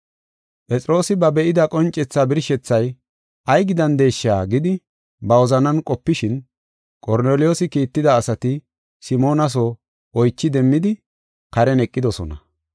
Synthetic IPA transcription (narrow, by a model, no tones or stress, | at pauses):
pʼɛt͡sʼɪɾo̞ːsɪbɐbɛʔɪd̪ɐkʼɔnt͡ʃʼːɛt͡sːaːbɪɾʃɛt͡sːɐj | ʔɐjɡɪd̪ɐnd̪e̞ːʃːaːɡɪd̪ɪ | bɐwɔzɐnɐnkʼɔpːɪʃɪn | kʼɔɾneːlɪjo̞ːsɪkiːt̪ːɪd̪ɐːsɐt̪ɪ | sɪmo̞ːnɐs̬ɔ | ʔɔjt͡ʃːɪd̪ɛmːɪd̪ɪ | kɐɾɛnɛkʼːɪd̪ɔsɔ̰nɐ̰